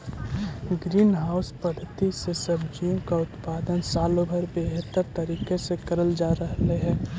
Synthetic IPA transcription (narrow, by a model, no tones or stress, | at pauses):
ɡɾiːnɦaːʊspəd̪ʱət̪isesəbd͡ʒijõkaʊt̪paːd̪ənsaːlõbʱəɾbeɦət̪ːəɾt̪əɾiːkesekəɾəld͡ʒaːɾəɦleɦɛ̃ː